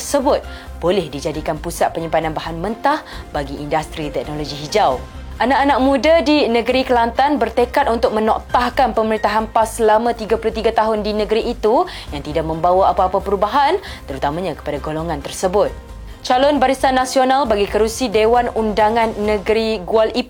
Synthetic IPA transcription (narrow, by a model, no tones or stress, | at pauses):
t̪ərsəbʊt̪̚ | bolɛhdid͡ʒadikanpusat̪̚pəɲəmpananbaɦanmə̃nt̪ahbaɡiʔːndast̪ɾit̪ɛk̚noloɡiɦid͡ʒaw | ʔanakanak̚mũdadinəɡəɾikəlant̪anbərt̪əkat̪̚unt̪ʊk̚mə̃nɔʔt̪ahkanpəməɾint̪aɦanpaslamãt̪iɡapulʊht̪iɡat̪aɦʊndinə̃ɡəɾiʔːt̪u | jaŋt̪idaʔ̚mə̃mbawaapaːpapəɾubaɦan | t̪əɾut̪amãɲãkə̥padaɡoloŋãnt̪ərsəbʊt̪̚ | t͡ʃalɔnbaɾisanːasionalbaɡikəɾusidewanundaŋanːəɡəɾiɡualip